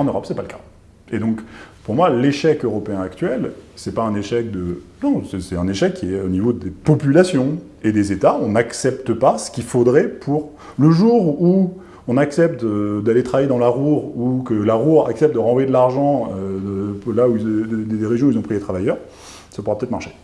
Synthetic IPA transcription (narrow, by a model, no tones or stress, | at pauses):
ɑ̃nøʁɔpsɛpaləkḁ | ed̪ɔ̃kpuʁmwaleʃɛkøʁɔpeɛ̃akt̪ɥɛlsɛpaɛ̃neʃɛk̚d̪ənɔ̃sɛsɛt̪ɛ̃neʃɛkːiɛonivod̪epɔpylasjɔ̃ | ed̪ezet̪aɔ̃naksɛpt̪əpasə̥kʲilfod̪ʁɛpʰuʁ | ləʒuʁu | ɔ̃naksɛp̚t̪d̪alet̪χavajed̪ɑ̃laʁuʁukəlaʁuʁa̰ksɛp̚t̪d̪əʁɑ̃vwɔjed̪laʁʒɑ̃ø | lauid̪ed̪eʁeʒjɔ̃ilzɔ̃pχilet̪χavajœːʁ | sapuʁapøt̪ɛt̪χmaʁʃe̥